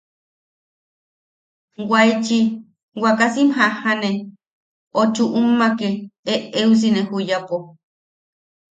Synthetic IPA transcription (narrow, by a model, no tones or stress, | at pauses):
wajt͡ʃi | wakasimhahane | ot͡ʃuʔumːakeeʔeus̬inehujapo